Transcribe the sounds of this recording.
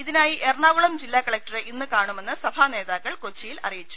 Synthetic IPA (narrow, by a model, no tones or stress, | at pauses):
iðinaːjiʔerɳaːʋuɭɐmd͡ʑilːaːkːɐɭɐk̚tɐreʔinːɨkaːɳume̞nːɨsɐbʱaːne̞ːðaːkːɐɭkot͡ɕːijilɐ̰rijit͡ɕːu̥